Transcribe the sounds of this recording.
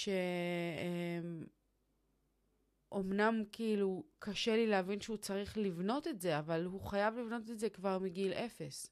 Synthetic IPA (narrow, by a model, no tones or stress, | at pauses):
ʃeem | ʔo̞mnamkiilukaʃelileavinʃeut͡saʁiχlivno̞t̪e̞tze̞avalhuχajavlivno̞t̪etzekvaʁmiɡilʔe̞fe̞s